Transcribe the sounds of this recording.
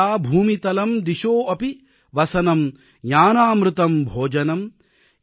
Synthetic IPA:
aːbʱuːmit̪ɐlɐmd̪iʃoːɐpi | ʋɐsɐnɐm | jaːnaːmɾɨt̪ɐmbʱoːd͡ʒɐnɐm

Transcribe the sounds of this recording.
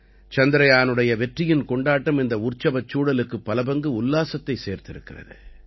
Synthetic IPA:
t͡ʃɐnd̪ɪɾɐjaːnɯɽɐjɐʋɛʈrɪjɪnkɔɳɖaːʈːɐmɪnd̪ɐʊrt͡ʃːɐbɐt͡ʃːuːɽɐlɯkːɯpːɐlɐbɐŋɡɯʊlːaːsɐt̪ːɐɪseːɾt̪ɪɾɯkːɪrɐ̰ðɯ̰

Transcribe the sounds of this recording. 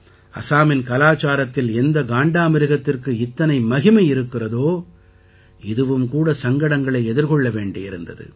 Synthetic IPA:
ɐ̰saːmɪnkɐlaːt͡ʃaːɾɐt̪ːɪlɛnd̪ɐɡaːɳɖaːmɪɾɪɣɐt̪ːɪrkɯɪt̪ːɐnɐɪmɐɣɪmɐɪɾɯkːɪrɐðoː | ɪðɯʋɯmkuːɽɐsɐŋɡɐɽɐŋɡɐɭɐɪɛðɪɾkɔɭːɐʋeːɳɖɪɪɾɯnd̪ɐ̰ðɯ̰

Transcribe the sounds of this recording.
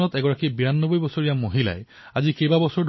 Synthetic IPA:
ɔtɛɡɔɹakibiɹanːobojbɔsoɹijamoɦila̰j | azikejbabɔsɔɹdʱ

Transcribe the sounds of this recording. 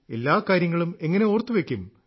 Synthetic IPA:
e̞lːaːkaːɾjɐŋːɐɭume̞ŋːɐne̞o̞ːrt̪ːuʋekʲːum

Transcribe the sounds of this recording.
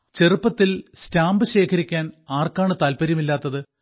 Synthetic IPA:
t͡ɕe̞rɨpːɐt̪ːilstaːmbɨɕe̞ːkʰɐɾikʲːaːnaːrkaːɳɨt̪aːlpɐɾjɐmilːaːt̪ːɐðɨ

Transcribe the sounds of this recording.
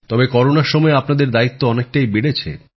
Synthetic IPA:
t̪ɔbekɔɾonaɾʃɔmɔeapnad̪eɾd̪ait̪ːoɔnek̚ʈajbeɽet͡ɕʰḛ

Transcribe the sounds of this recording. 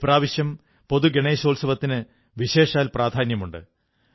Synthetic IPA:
praːʋiɕjɐm | po̞ðuɡeɳeːɕo̞ːlsɐʋɐt̪ːinɨ | ʋiɕe̞ːʂaːlpraːd̪ʱaːnjɐmuɳɖɨ̰

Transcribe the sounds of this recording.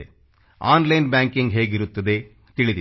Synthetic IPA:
e | aːnlɐjnbʲaːŋkiŋɡɦe̞ːɡiɾut̪ːɐd̪e̞ | t̪iɭid̪i

